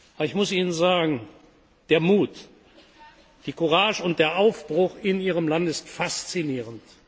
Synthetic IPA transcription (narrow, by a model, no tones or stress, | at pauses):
ʔabɐɪçmʊsiːnənzaːɡŋ̩ | d̥eːɐmuːt | d̥iːkʊʁaːʒʊnt̚d̥eːɐʔaʊfb̥ʁʊxɪniːʁəmlantɪstfast͡siniːʁənt